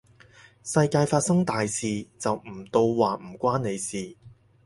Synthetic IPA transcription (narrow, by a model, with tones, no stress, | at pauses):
sɐ˧jkaː˧jfaː˧t̚sɐ˥ŋt̪aː˨jsiː˨t͡sɐ˨wm̩˨˩t̪o˧wwaː˨m̩˨˩kʷaː˥nne˨˧jsiː˨